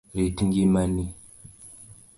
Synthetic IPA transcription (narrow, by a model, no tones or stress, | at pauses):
ɾitiŋɡimani